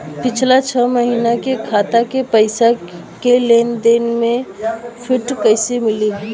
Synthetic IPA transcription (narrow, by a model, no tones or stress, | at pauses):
pɪt͡ʃʰlat͡ʃʰəməɦiːnakekʰaːt̪akepəɪsakeleːnd̪eːnmẽpʰɪʈkəɪsimɪli